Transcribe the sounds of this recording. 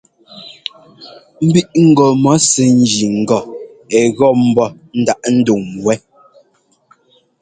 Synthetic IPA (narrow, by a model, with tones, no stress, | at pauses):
m̩˦bi˦ʔŋ̩˦˨ɡɔ˨mɔ˨˦sɛ˨n̩˦d͡ʒi˨ŋ̩˨ɡɔ˨ | ɛ˨ɣɔ˦˨m̩˦bɔ˦˨ | n̩˦da˦ʔn̩˦do˨ŋwɛ˦